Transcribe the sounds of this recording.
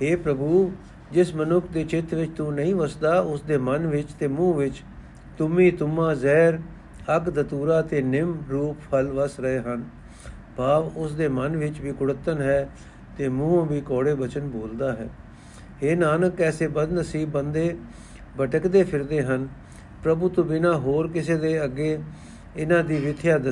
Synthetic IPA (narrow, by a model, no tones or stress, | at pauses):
ɦeːpɾəbuː | d͡ʒɪsmənʊkʰd̪eːt͡ʃɪt̪ʰʋɪt͡ʃt̪ũːnəĩːʋəsd̪aːʊsd̪eːmənʋɪt͡ʃt̪eːmũːʋɪt͡ʃ | t̪ʊmĩːt̪ʊmːãːzɛːɾ | əkd̪ət̪uːɾaːt̪eːnɪmɾuːppʰəlʋəsɾəeːɦən | baːʋʊsd̪eːmənʋɪt͡ʃʋiːkʊɽət̪ːənɦɛː | t̪eːmũːãːʋiːkɔːɽeːbət͡ʃənboːld̪aːɦɛ̰ː | ɦeːnaːnəkːɛːseːbəd̪nəsiːbːənd̪eː | bəʈəkd̪eːpʰɪɾd̪eːɦən | pɾəbuːt̪ʊ̃bɪnãːɦoːɾkɪs̬eːd̪eːəɡːeː | ɪnãːd̪iːʋɪt̪ʰɪjaːd̪ə